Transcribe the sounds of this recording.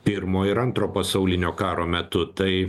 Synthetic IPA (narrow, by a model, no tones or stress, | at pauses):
pʲɪɾmoːɪɾɐnt̪ɾoːpɐsɐʊlʲɪnʲoːkɑːɾoːmʲɛt̪ʊt̪ɐɪ